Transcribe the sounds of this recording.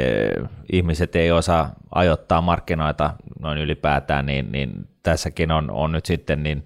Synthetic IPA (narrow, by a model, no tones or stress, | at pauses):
ihmiset̪eiosɑʔɑ̰jot̪ːɑːmmɑrkːinoˑit̪ɑnoinylipæːt̪æ̰ːnniːnnḭnt̪æsːækinono̰nnyt̪sit̪ːennin